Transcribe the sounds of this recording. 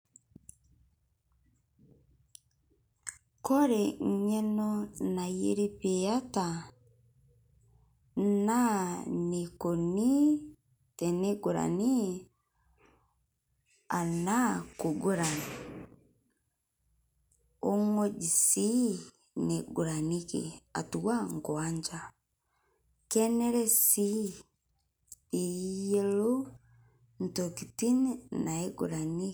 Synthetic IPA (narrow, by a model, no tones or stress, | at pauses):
koɾeɲenonajḛɾipejata | nanekoni | teneɡuɾa̰ni | anakuɡuɾani | ɔŋɔɟisi | neɡuɾanikḭa̰tuwaŋɡwaɲd͡ʒa | kɛnɛɾɛsi | ijɛlu | n̩tɔkitininaeɡṵɾani